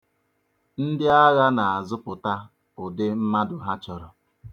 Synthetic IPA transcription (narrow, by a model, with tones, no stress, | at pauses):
n̩˦dɪ˦a˦ɣa˦na˨a˨zʊ˦pʊ˨ta˦ | ʊ˨dɪ˦m̩˦ma˦dʊ˨ɦa˦t͡ʃɔ˨ɾɔ˨